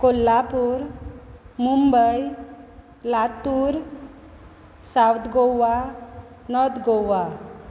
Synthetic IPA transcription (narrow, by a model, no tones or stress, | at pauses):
kolːapuɾ | mumbəj | lat̪uːɾ | sawd̪ɡoa | nɔd̪ɡowa